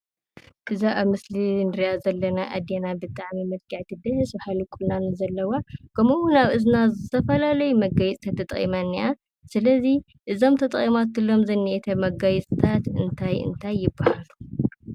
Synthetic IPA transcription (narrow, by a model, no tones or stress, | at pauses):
ʔɨzaʔaβmɨslinɨɾjazɐlːɐnaʔa̰d̪enabɨt̪ʼaʕmimɨd̪̚ɡaʕt̪ʰid̪ɨhɨsbhalukʼulnanɨzɐlːɐwakʰɐmowʊnaβɨznazɨt̪ʰɐfɐlalɐjumɐɡajt͡sʼt̪ʰat̪ʰːɐt̪ʼχʼḭmanːiʔa | sɨlɐzi | ʔɨzo̞mt̪ʰɐt̪ʼχʼimat̪ɨlːo̞mzɐnːiʔet̪ʰɐmɐɡajɛt͡sʼt̪ʰat̪ɨnt̪ʰajɨ̰nt̪ʰajːɪbːahalu̥